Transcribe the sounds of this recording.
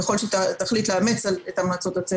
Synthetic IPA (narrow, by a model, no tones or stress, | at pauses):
eχo̞lʃet̪at̪aχlitleamet͡saletamaːt͡so̞t̪at͡se